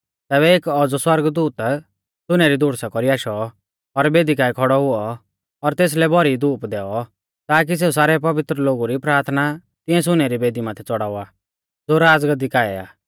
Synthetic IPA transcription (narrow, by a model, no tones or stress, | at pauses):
t̪ɛːβɛeːkɔd͡zɔswɐɾɡd̪uːt̪ | sʊnɛɾid̪ʱʊɽsakɔɾiaːʃɔː | ɾbeːd̪ikaːɛkʰɔɽɔɦʊɔ | ɔɾt̪eːs̬lɛbʱɔɾid̪uːpd̪ɛːɔ | t̪aːk̬is̬eːus̬aːɾɛp̬ɐʋɪt̪ɾəloːɡuɾipɾaːɾt̪ʰna | t̪ɪ̃ɛ̃s̬ʊnɛɾibeːd̪imaːt̪ʰɛt͡sɔɽaːʊaː | d͡zoːɾaːd͡zɡəd̪ikaːɛa̰ː